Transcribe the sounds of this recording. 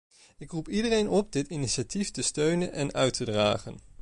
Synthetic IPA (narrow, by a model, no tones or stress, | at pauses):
ɪkrupidərejnɔp̚dɪtɪniʃatiftəstøɥnənʔɛnœɥtʰədra̰ːχən